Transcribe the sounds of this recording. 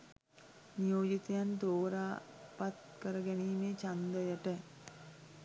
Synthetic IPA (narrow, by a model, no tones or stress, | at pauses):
nijoːd͡ʒit̪ejand̪oːɾaːpat̪kəɾəɡæniːmeːt͡ʃand̪əjəʈə